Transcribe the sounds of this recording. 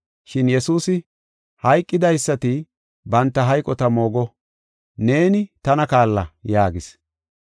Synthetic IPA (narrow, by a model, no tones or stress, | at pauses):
ʃɪnjɛsuːsɪ | hɐjkʼːɪd̪ɐjsːɐt̪ɪ | bɐnt̪ːɐɦɐjkʼɔt̪ɐmo̞ːɡɔ | ne̞ːnɪt̪ɐnɐkaːlːɐ̰jaːɡɪs